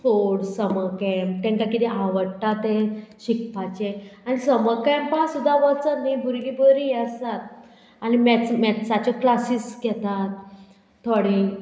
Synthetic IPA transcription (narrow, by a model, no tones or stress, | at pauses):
t̪ʰoɽsəməkɛmt̪ɛ̃ŋkakit̪ɛãʋəɽʈat̪eɕikpat͡ɕeanisəməkɛmpãsud̪ʱːaʋət͡sənːibʱuɾilibʱəɾijəsat̪ | animɛt͡smɛt̪sat͡ɕɔklasiːsɡɛt̪at̪ʰː | oɽi